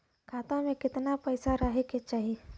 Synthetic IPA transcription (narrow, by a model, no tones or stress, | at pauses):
kʰaːt̪õmẽkɪt̪napɛːsaɾəɦeket͡ʃaːɦie